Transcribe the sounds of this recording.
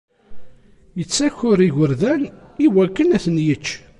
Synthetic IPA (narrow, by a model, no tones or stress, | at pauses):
jət͡sːæçʊɾiʝəɾðæn | iwækːənæθnjət͡ʃː